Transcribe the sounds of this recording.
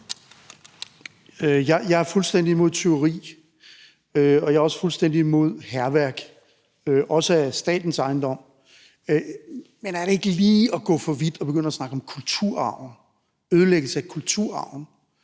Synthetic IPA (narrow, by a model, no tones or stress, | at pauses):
øjɑ̈ɪjɑ̈ɪæɐfulsd̥en̰diimo̝ð̞̰ˠt͡sʰeoʊʁḭː | øɒ̽jɑ̈ɐɒ̽sə̥fulsd̥en̰d̥iimo̝ð̞̰ˠhæɐʋæɐɡ̥ | øʔɒ̽səæsd̥ɛ̰ːd̥n̩sɑ̈ɪnd̥ɒ̽m̰ | menæɐɾ̥ee̝ɡ̥əliːɒ̽ɡ̥ɔ̰ːfɒ̽ʋid̥ɒ̽b̥e̝ɡ̥øn̰ɐɒsnɑ̈ɡ̥ɒ̽mkʰult͡sʰuɐ̰ɑ̈ʊ̰n̩ | øːð̞ˠəleɡ̥əl̩səækʰult͡sʰuɐ̰ɑ̈ʊ̰n̩